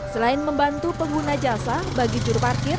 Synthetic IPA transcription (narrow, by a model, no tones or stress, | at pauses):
səlaɪnməmbant̪upəŋɡunad͡ʒasabaɡid͡ʒuɾparkɪr